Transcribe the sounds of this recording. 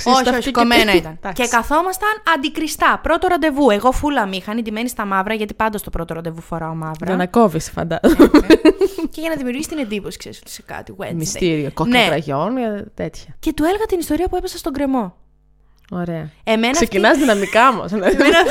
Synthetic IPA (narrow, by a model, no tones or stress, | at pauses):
soç̪ɐoiomenɐit̪ɐnɐcekɐθo̞mɐst̪ɐnɐnd̪ikɾist̪ɐpɾo̞t̪o̞ɾond̪e̞vue̞ɣo̞fulɐmixɐnind̪imenist̪ɐmɐvɾɐʝɐt̪ipɐnd̪ost̪o̞pɾo̞t̪oɾond̪e̞vufo̞ɾɐomɐvɾɐɐnɐkovisi̥fɐ̰nd̪ɐz | ceʝɐnɐðimiuɾʝisit̪ine̞nd̪ipo̞si̥kseɾisot̪i̥sekɐ̰t̪iḛmist̪iɾiokonkeɾɐʝo̞nʝɐt̪et̪çɐce̞t̪uelɣɐt̪inist̪o̞ɾiɐpue̞pesɐst̪o̞ɡɾe̞mo̞ | oɾe̞ɐemenkɐsefcinɐzðinɐmikɐmɐ̰snen